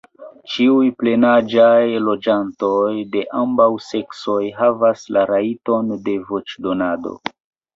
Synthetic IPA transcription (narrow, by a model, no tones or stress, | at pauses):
t͡ʃiujple̞nad͡ʒajlo̞d͡ʒanto̞jde̞ʔambawse̞kso̞jɦavaslaɾaito̞nde̞vo̞t͡ʃdo̞nado̞̰